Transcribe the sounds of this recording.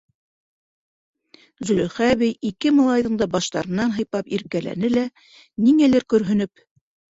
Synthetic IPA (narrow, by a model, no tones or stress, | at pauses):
zɵ̆lɵ̆χæβɘjikɘmɑlˠɑjðɤ̆ɴd̪ɑbɑʃt̪ɑ̰ɾɤ̆nːɑnɦɤ̆jpɑpiɾkælæ̰nɘlæ | niŋælɘɾkɵ̆ɾɦɵ̆nɵp̚